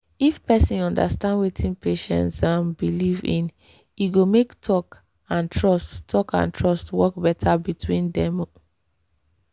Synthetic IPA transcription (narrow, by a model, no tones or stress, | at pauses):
ifpɛsĩnɔ̃nda̰stãndwitʰĩnpeʃɛ̰̃nsãmbilivĩn | iɡomektʰɔk | ãntʰɹɔstːɔkã̰ntʰɹɔstwɔkbɛtʰabitwĩndɛ̃m